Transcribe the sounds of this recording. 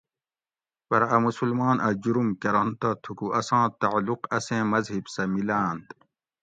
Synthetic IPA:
pɐɾɐmusulmaːnʔɐd͡ʑuɾumkɐɾɐnt̪at̪ʰukuʔɐsãːt̪aʕluqɐsẽːmɐzhibsɐmilaːnt̪

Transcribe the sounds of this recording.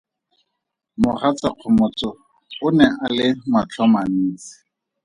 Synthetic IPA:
mʊχat͡saq͡χʰʊmʊt͡sɔ | ʊnɛʔalɪmat͡ɬʰɔman̩ːt͡sɪ̥

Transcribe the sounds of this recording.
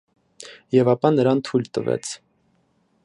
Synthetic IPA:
jɛvɑpɑnəɾɑnt̪ʰujlt̪əvɛ̰t͡sʰ

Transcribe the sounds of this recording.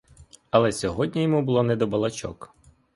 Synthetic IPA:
ɐlˠɛsʲɔɦɔdʲnʲijɔmubʊlˠɔnɛd̪ɔbɐlˠɐt͡ʃɔ̰k

